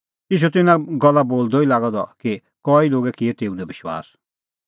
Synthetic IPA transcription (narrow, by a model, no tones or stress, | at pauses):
ɪʃ̬ut̪ɪnãɡɔlːaboːld̪ɔilaːɡɔd̪ɔki | kɔiloːɡɛkiɛt̪eːũd̪ɛbɪʃwa̰ːs